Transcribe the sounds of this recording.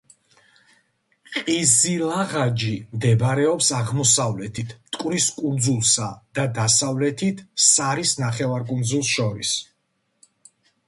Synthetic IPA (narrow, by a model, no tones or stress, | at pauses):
qʼizilˠaʁad͡ʒimd̪ɛbɾɛɔpsaʁmɔsavlɛt̪ʰit̪ʰt̪ʼkʼwɾiskʼund̪zulˠsad̪̥ad̪asavlɛt̪ʰit̪ʰsaɾisnaχɛvaɾkʼund̪zulˠsʃɔɾḭs